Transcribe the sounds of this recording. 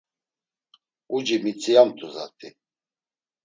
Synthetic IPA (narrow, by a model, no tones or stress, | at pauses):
ud͡ʒimit͡sʼijamt̪ʰuza̰t̪ʰʼi